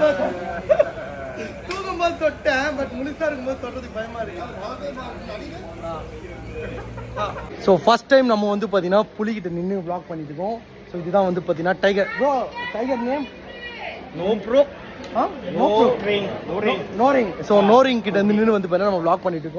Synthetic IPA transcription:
t̪uːɡɐmbaːsɔʈːɛ̃ːbɐʈmʊlɪsaːɪɾɯkːɯmboːðisɔlrɐðɯk̚bɐjɐmaːɪɾɯkːaːaːʋena | ɐɾɪɐ | aːsoːfɐsʈːɐɪmnɐmːɐʋɐnd̪ɯp̬aːɾt̪iŋɡɐnːaːpʊlɪkɪʈːɐnɪnːɯbɭaːk̚pɐɳːɪʈːɯkːʊ̃ | soːɪðɯt̪ãːʋɐnd̪ɯpaːɾt̪iŋɐnaːʈɐɪɡɐɾɡoːʈɐɪɡɐɾnen | noːpɾoːk | aːnnoːɾoɾɪŋnoːɾŋnoːɾɪŋsoːnoːɾɪŋkɪʈ̬ːɐnd̪ɯnɪnːɯʋɐnd̪ɯpaːt̪inːanɐmːɐbɭaːk̚pɐɳːɪʈːɯkːʊ̃

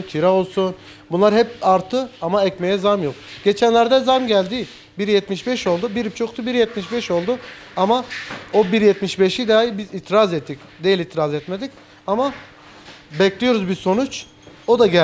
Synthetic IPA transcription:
t̪ʰiɾao̞lˠsun | bunlˠaɾɦɛpaɾt̪ʰːɯamaɛcme̞jɛzamjo̞k̚ɟ̥et͡ʃʰænlʲæɾd̪ɛzamɟælʲd̪i | biɾjɛt̪miʃbɛʃo̞lˠd̪ubiɾip̚t͡ʃʰokt̪ʰubiɾjɛt̪miʃbɛʃo̞lˠd̪u | amao̞biɾjɛt̪miʃbɛʃid̪ajibizit̪ʰɾazɛt̪ʰːic | d̪ejilʲit̪ʰɾazɛt̪med̪ic | ama | bɛclʲijo̞ɾuzbiso̞nut͡ʃ | o̞d̪aɟæ

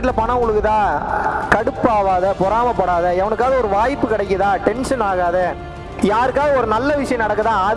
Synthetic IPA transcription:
ʈ̪ːɪlɐpɐɳɐʋʊŋɡɐɭɯkːɯt̪ãːkɐɽɯpːaːʋaːðɐpɔɾaːmɐpːɐɽaːðɐɛʋɐɳɯk̬ːaːðɐɔɾɯʋaːjpːɯkɪɽɐɪk̬ːɯðãːʈɛnʂɐnaːɣaːðɐ | jaːɾɯkːaːɣɐɔɾɯnɐlːɐʋɪʂɐjɐ̃nɐɽɐkːɯt̪ãːɐð

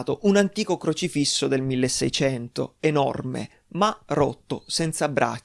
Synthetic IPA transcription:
t̪oʔunant̪iːkokɾot͡ʃifisːod̪elmilːesːɛ̰jt͡ʃɛnt̪o̰enɔ̰rmḛ | maro̰t̪ːosɛnt̪sabːɾʔa̰

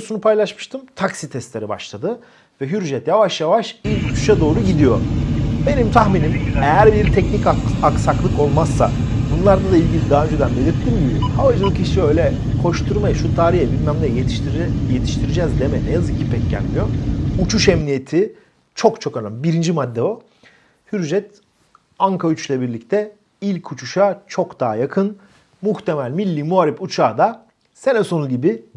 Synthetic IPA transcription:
sunupʰajlˠaʃmɯʃt̪ʰɯmt̪ʰaksit̪ʰɛst̪lʲe̞ɾiba̰ʃlˠad̪ɯ | vɛɦyɾʒɛt̪javaʃjavaʃilʲct̪ʰu̥ʃad̪o̞ːɾuɟid̪ijo̞̰be̞nimt̪ʰaxminimejæɾbiɾt̪ʰɛcnicaaksaklˠɯko̞lˠmassːa̰ | bunlˠaɾd̪ad̪ailʲɟilʲid̪aːønd͡ʒed̪ænbe̞lʲiɾt̪ʰːimd̪iihavad͡ʒɯlˠɯkiʃiø̞jlʲɛ | kʰo̞ʃt̪ʰuɾmajɯʃut̪ʰaːɾijɛbilʲmæmlʲɛjet̪ʰʃjet̪ʰi̥ʃt̪ʰiɾid͡ʒɛzd̪emɛnejazɯkʰːipʰɛcɟæ̰lʲmijout͡ʃʰuʃɛmnije̞t̪ʰi | t͡ʃʰo̞kt͡ʃʰo̞kønanbiɾind͡ʒimad̪ːɛo | hyɾʒɛt̪ | aŋkʰayt͡ʃlʲɛbiɾlʲict̪ʰɛ | ilʲcʰut͡ʃʰuʃat͡ʃʰo̞kd̪aːajakʰɯn | muxt̪ʰe̞mælʲmilʲːiːmuaːɾiput͡ʃʰaːd̪a | se̞nɛsonunɟibi

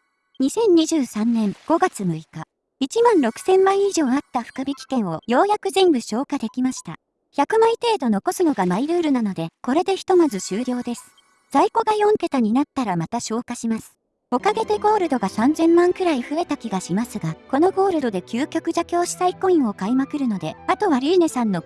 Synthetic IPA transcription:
ɲ̟isẽ̞ɲ̟ːiʑɨːsãnnẽ̞ŋɡ̥o̞ɡat͡sɨmɯ̟ika | it͡ɕimãnɾo̞kɯ̟̥sẽ̞mːãɰ̃ĩiʑo̞ːat̪ːaɸɯ̟̥kɯ̟bʲikʲi̥kẽ̞ɰ̃o̞jo̞ːjakɯ̟ʑĩmbɯ̟ɕo̞ːkad̪e̞kʲimaɕi̥t̪a | çʲakɯ̟mãit̪e̞ːd̪o̞no̞ko̞sɨno̞ɡamaiɾɯ̟ːɾɯ̟nano̞d̪e̞ko̞ɾe̞d̪e̞çi̥t̪o̞mazɨɕɨːɾʲo̞ːd̪e̞sɨ̥ | z̥aiko̞ɡajõ̞nŋt̪e̞t̪aɲ̟inat̪ːaɾamat̪aɕo̞ːkaɕimasɨ̥ | o̞kaɡe̞d̪e̞ɡo̞ːɾɯ̟d̪o̞ɡasãnzẽ̞mːãŋkɯ̟ɾaiɸɯ̟e̞t̪akʲiɡaɕimasɨɡako̞no̞ɡo̞ːɾɯ̟d̪o̞d̪e̞kʲɨːkʲo̞kɯ̟ʑakʲo̞ːɕi̥saiko̞ĩɰ̃o̞kaimakɯ̟ɾɯ̟no̞d̪e̞at̪o̞βaɾʲiːne̞sãnːo̞

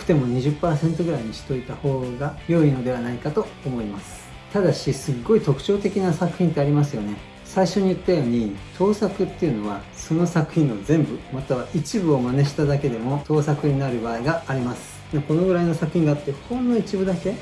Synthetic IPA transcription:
kɯ̟̥t̪e̞mo̞ɲ̟iʑɨpːaːsẽ̞nt̪o̞ɡɯ̟ɾaiɲ̟iɕi̥t̪o̞it̪aho̞ːɡajo̞ino̞d̪e̞βanaikat̪o̞ːmo̞imasɨ̥ | t̪ad̪aɕisɨɡːo̞it̪o̞kɯ̟̥t͡ɕo̞ːt̪e̞kʲinasakɯ̟̥çʲĩnt̪e̞aɾʲimasɨjo̞ne̞ | saiɕo̞ɲ̟ijɯt̪ːajo̞ːɲ̟it̪ʰo̞ːsakɯ̟t̪ːe̞iɯ̟no̞β̞a | so̞no̞sakɯ̟̥çʲĩozẽ̞mbɯ̟mat̪aβaʔit͡ɕibɯ̟o̞maneɕi̥t̪ad̪ake̞d̪e̞mo̞t̪o̞ːsakɯ̟ɲ̟inaɾɯ̟baːiɡaːɾʲimasɨ̥ | mako̞no̞ɡɯɾaino̞sakɯ̟çʲĩŋɡat̪ːe̞hõnd̪oit͡ɕibɯ̟d̪ake̞

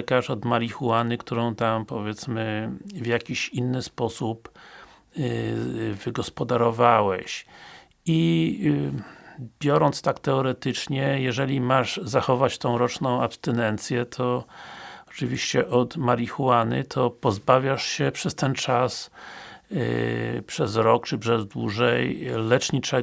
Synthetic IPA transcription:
kaʂɔd̪maɾʲixuwanɘkt̪uɾɔ̃w̃t̪ampɔvʲjɛt̪smɘvʲjakʲiɕinːɘspɔsup | vɘɡɔspɔd̪aɾɔvawɛɕ | i | b̥ʲjɔɾɔnt̪st̪akt̪ɛɔɾɛt̪ɘt͡ʂɲɛjɛʐɛlʲimaʐzaxɔvat͡ɕt̪ɔ̃w̃ɾɔt͡ʂnɔ̃w̃apst̪ɛnɛnt̪sʲjɛt̪ʰɔ | ɔt͡ʂɨvʲiɕt͡ɕɛʔɔt̪maɾʲixuwanɘ̰t̪ʰɔpɔzbavʲjaʂɕɛpʂɛst̪ɛnt͡ʂas | pʂɛz̬ɾɔkt͡ʂɘpʂɛzd̪wuʐɛjlɛt͡ʂɲit͡ʂɛ

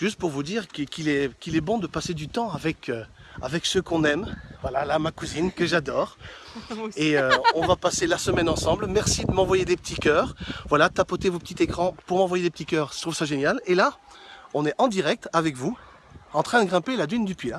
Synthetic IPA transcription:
ʒyst̪̚puʁvud̪iʁkəkʲʰilɛkʲilɛbɔ̃d̪əpased̪yt̪ɑ̃avɛkʰø | a̰vɛksəkɔ̃nɛmvwalalamakuzinkəʒad̪ɔːʁ | eøɔ̃vapaselasəmɛnɑ̃sɑ̃blmɛʁsid̪əmɑ̃vwajed̪epə̥t̪ʰikʲœːʁvwalat̪apɔt̪evopə̥t̪it̪ekχɑ̃puʁmɑ̃vwajed̪epət̪ikʲœːʁʃə̥t̪χuvsaʒenjalelaɔ̃nɛʔɑ̃d̪iʁɛk̚t̪avɛkvu | ɑ̃t̪χɛ̃d̪əɡʁɛ̃pelad̪ynd̪əpɥe

